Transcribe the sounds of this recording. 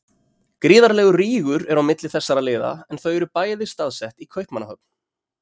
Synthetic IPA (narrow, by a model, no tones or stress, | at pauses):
kɾiːðaɾlɛːɣʏriːɣʏɾɛɾawmɪt̪lɪθɛsːaɾaðlɪːða̰ɛnθœɥɛɾʏpaːjðɪst̪aðsɛht̪ikʰœɥhpmanːahœp̚n̥